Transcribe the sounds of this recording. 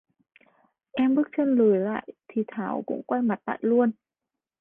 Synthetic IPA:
ʔɛ˧mɓɨ˦˥k̚t͡ɕə˧nlɨ˨˩˦jla̰ː˧˨jt̪ʰi˨˩t̪ʰaː˨˦wkʊ̰˧˥ŋ͡mkwa˧jma˨˩t̚la̰ː˧˨jlu˧ən

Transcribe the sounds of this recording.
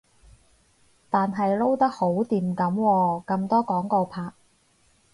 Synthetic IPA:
t̪aː˨nɦɐ˨jlo˥wt̪ɐ˥k̚ho˨˥wt̪iː˨mkɐ˨˥mwɔː˧kɐ˧mt̪ɔː˥kɔː˨˥ŋko˧wpʰaː˧k̚

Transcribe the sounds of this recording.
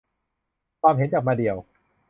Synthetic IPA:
kʰwaː˧mɦe˨˦nt͡ɕaː˨˩k̚maː˧di˨˩əw

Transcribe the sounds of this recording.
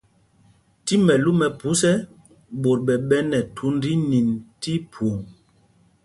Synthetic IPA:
ti˦mɛ˨lu˦mɛ˨pu˨˦sɛ˦ | ɓo˨ɾɓɛ˨ɓɛ˦nɛ˨tʰu˨˦n˦di˦ni˨nti˦pʰu˨ŋ

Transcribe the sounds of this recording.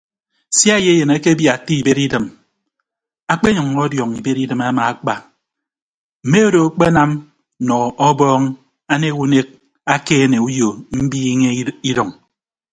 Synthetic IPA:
sja˦je˦e˦je˨ne˦ke˦bja˨ti˦i˨be˦ɾi˦dɨ˨m | a˦k͡pe˦ɲɔ˨ŋːɔ˦djɔ˨ŋi˨be˦ɾi˦dɨ˨ma˦ma˨a˦k͡pa˨ | m̩˨me˦o˦do˨˦k͡pe˦na˦m | nɔ˨ɔ˦bɔː˦ŋ | a˦ne˦wu˦ne˦k̚ | a˦keː˦ne˨u˦jo˨m̩˦biː˦ŋe˦i˦dɔ˨ŋ

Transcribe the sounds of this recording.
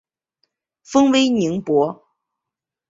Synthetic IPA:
fɤ˥ŋwe˥ɪni˧˥ŋpwɔ˧˥

